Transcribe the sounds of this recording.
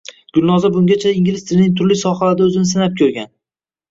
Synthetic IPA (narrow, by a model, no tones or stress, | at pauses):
ɡ̥ʲʊlˠnɒzabʊŋɡʲat͡ʃʰaiŋɡʲɪlɪst̪ɪɾɪnɪŋt̪ʰʊɾlɪsɒχalaɾd̪aɵzɪnɪs̬ɪnap̚kʲʰɵɾɡʲan